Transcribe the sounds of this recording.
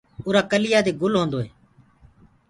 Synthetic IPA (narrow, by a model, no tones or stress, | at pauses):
oːɾaːkəlɪjaːd̪eːɡʊlɦõːnd̪oːɦeː